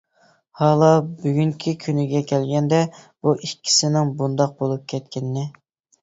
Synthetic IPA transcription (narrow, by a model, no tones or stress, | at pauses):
hɑːlˠɑbyɡʲyŋkʲʰikʲʰynɪɡʲɛkʲʰɛlɡʲɛnd̪ɛb̥uʔikʲʰːi̥sɪnɪŋbund̪ɑq̚bolˠup̚kʲʰɛt̪kʲɪnːɪ